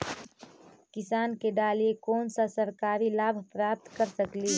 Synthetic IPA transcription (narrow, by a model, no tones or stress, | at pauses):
kɪsaːnkeɖaːliekɔːnsasəɾkaːɾilaːbʱpɾaːp̚t̪kəɾsəkliː